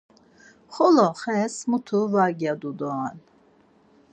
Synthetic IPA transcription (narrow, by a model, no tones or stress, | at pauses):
χɔlɔχɛsmut̪ʰuvaɡjad̪ud̪ɔan